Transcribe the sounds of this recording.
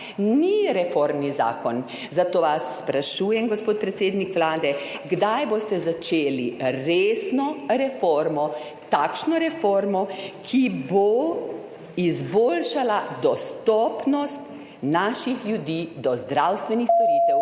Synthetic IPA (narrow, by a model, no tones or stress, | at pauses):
niɾɛfoɾmniza̰ːkɔn | zat̪oːʋasːpɾaʃuːjɛmɡɔspoːt̪̚pɾɛt̪seːd̪nikʋlaːd̪ɛɡd̪ajbost̪ɛzat͡ʃeːliɾeːsnɔɾɛfoɾmɔ | t̪akʃnɔɾɛfoɾmɔkʰibo | izboːlʃalad̪ɔst̪ɔpnɔst̪ | naːʃixljud̪iːd̪ɔzd̪ɾawst̪ʋɛnixst̪ɔɾiːt̪ɛw